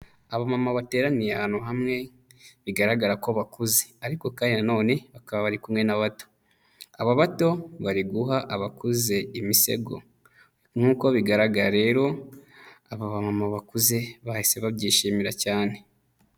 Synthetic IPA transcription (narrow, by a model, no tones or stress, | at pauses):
aβamamaβate̞ːɾanijeahaːn̥uɦamŋe̞ | βiɡaɾaɡaɾako̞βakuze̞aɾiko̞kaːɲano̞ːne̞βakaβaβaɾikumŋe̞naβato̞̥ | aβaβato̞βaɾiɡuɦaʔaβakuze̞imise̞̰ɡo̞̰ | ŋ̥uːko̞βiɡaɾaɡaɾaɾe̞ːɾo̞ | aβaβamamaβakuze̞βahise̞βabɟiːʃiːmiɾacaːne̞